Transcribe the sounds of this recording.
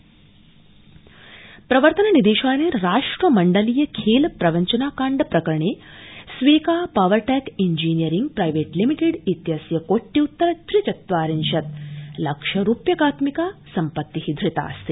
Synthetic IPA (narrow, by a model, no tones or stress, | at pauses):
pɾɐʋəɾt̪ɐnɐnid̪eːʃaːneːɾaːʂʈɾɐmɐɳɖəliːjɐkʰeːlpɾɐʋɐɲt͡ʃɐnaːkaːɳɖpɾɐkɾɐɳeːsʋeːkaːpaʋəɾʈɛkiɲd͡ʒiːnijəɾiŋɡ̚pɾajʋeːʈlimiʈeɽit̪jasjɐkoʈːiut̪ːɐɾɐt̪ɾit͡ʃɐt̪ʋaːɾinʃɐt̪̚lɐkʂɐɾupjɐkaːt̪mikasɐmpɐt̪ːiɦiːd̪ʱɾit̪a̰ːɐ̰st̪eː